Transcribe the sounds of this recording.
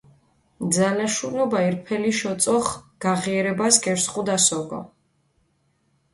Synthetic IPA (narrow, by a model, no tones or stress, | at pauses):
d̪zalaʃunɔbaiɾpʰɛliʃɔt̪sʼɔχɡ̥aʁiɛɾɛbaskʼɛɾsχʼud̪asɔɡɔ̰